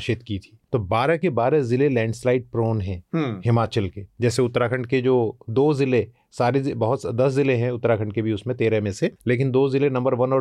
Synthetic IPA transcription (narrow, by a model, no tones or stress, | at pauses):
ʃɪt̪kit̪ʰi̥ːt̪oːbaːɾakebaːɾezɪlelɛ̃ːɳɖslaːɪʈ̚pɾoːnɦɛ̃ɦɦɪmaːt͡ʃəlked͡ʒɛːseʊt̪ːɾakʰə̃ɳɖked͡ʒoːd̪oːzɪle | saːɾebɐɦʊt̪d̪ɐszɪleɦɛ̃ʊt̪ːɾaːkʰə̃ɳɖ̚kebʱiʊsmẽt̪eːɾẽmẽseleːkɪnd̪oːzɪlenɐ̃mbəɾʋɐnɔː